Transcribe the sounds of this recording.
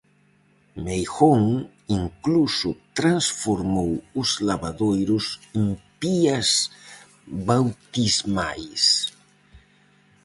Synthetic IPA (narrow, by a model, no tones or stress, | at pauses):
mejxoŋ | iŋklusʊt̪ɾansfoɾmowʊzlaβaðojɾʊsempiɐs | βawt̪izmajs